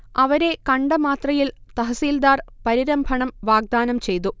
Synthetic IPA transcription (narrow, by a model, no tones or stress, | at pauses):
ɐʋɐɾe̞kɐɳɖɐmaːt̪rɐjilt̪ɐɦɐsiːld̪aːrpɐɾiɾɐmbʱɐɳɐmʋaːɡ̚d̪aːnɐmt͡ɕe̞jt̪u